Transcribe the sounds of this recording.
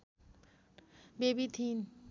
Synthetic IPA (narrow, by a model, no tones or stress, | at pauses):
bebit̪ʰin